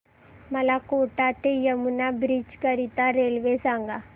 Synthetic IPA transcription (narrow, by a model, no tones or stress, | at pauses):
mɐlakoːʈaːʈ̪ejɐmunabɾit͡ʃkɐɾit̪aɾelʋeːsaŋɡa